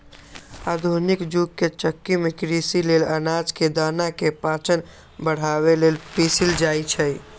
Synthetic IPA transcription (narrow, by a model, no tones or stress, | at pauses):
ad̪ʱunikd͡ʒuɡkːet͡ʃəkːimekɾisilelənad͡ʒked̪anakepat͡ʃən | bəɽ̤aβelelpisild͡ʒajt͡ʃʰəj